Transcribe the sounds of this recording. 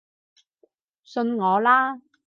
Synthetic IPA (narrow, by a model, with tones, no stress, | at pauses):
sɵ˧nŋɔː˨˧laː˥